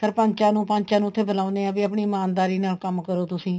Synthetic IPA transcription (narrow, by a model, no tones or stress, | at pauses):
səɾpəɲt͡ʃãːnũːpəɲt͡ʃãːnũːʊt̪ʰːeːbəlaːʊneːãːbiːəpɳiːmaːnd̪aːɾiːnaːlkəmkəɾoːt̪ʊsĩː